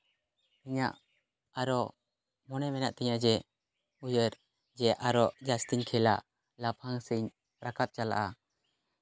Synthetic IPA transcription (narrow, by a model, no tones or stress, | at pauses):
iɲa̰ʔ | aɾɔ | mɔnɛmɛnaʔt̪ɛɲad͡ʒɛ | ujəɾ | d͡ʒɛʔaɾɔʔd͡ʒast̪iɲkʰɛlaʔ | lapʰaŋsiɲ | pɾakʰat̪̚t͡ʃala̰ʔa